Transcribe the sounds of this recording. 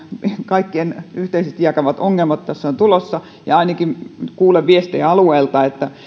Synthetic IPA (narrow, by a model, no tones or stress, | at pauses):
kɑikːienyht̪eisest̪ijɑkɑʋɑt̪oŋːelmɑt̪t̪æsːæont̪ulosːɑ | jɑɑinɑkinkuːleʋʋiest̪iæɑlueːlt̪ɑet̪ːæ